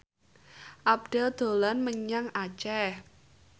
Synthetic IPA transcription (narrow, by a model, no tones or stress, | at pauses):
ʔab̚dɖ̥ɛ̤ld̪̥o̤lanməɲaŋat͡ʃɛh